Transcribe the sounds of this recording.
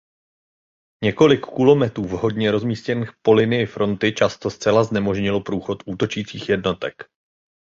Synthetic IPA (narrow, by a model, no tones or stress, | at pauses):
ɲɛko̞lɪkːulo̞mɛt̪ɾuːvɦo̞dɲɛɾo̞zmiːscɛnixpo̞lɪnɪjɪfɾo̞nt̪ɪt͡ʃast̪o̞st͡sɛlaznɛmo̞ʒɲɪlopɾuːxo̞t̪ʔuːt̪o̞t͡ʃiːt͡siːxjɛdno̞t̪ɛ̰k